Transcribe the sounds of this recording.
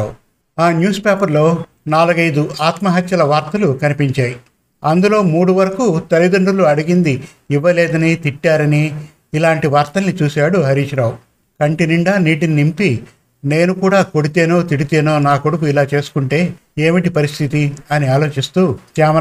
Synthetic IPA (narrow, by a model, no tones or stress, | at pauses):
aːnjuːspeːpɐɾlo̞ː | naːluɡɐjd̪uaːt̪mɐɦɐt̪jɐlɐʋaːɾt̪ɐlukɐnipiɲt͡ʃaːji | ɐnd̪ulo̞ːmuːɽuʋɐɾɐkut̪ɐlid̪ɐɳɖuluɐɽiɡind̪i | iʋːɐlɛːd̪ɐnit̪iʈːaːɾɐniː | laːɳʈiʋaːɾt̪ɐlnit͡ʃuːsaːɽuɦɐɾiːt͡ʃɾaːwu | kɐɳʈiniɳɖaːniːʈininimpi | ne̞ːnukuːɽaːko̞ɽit̪e̞ːnoːt̪iɽit̪e̞ːnoːnaːkoɽukuilaːt͡ʃe̞ːsu̥kuɳʈe̞ː | eːmiʈipɐɾist̪ʰit̪iɐniaːlo̞ːt͡ʃist̪uːkaːmɐ